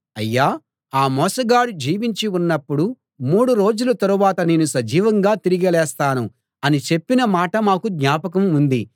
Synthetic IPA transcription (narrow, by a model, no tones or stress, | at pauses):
ɐjːaː | aːmɔːsɐɡaːɽud͡ʒiːʋiɲt͡ʃiunːɐpːuɽu | muːɽuɾo̞ːd͡ʒulɐt̪ɐɾuʋaːt̪ɐne̞ːnusɐd͡ʒiːʋɐŋɡaːt̪iɾiɡɐlɛːst̪aːnu | ɐnit͡ʃe̞pːinɐmaːʈɐmaːkuɡɲaːpɐk̬ɐmund̪i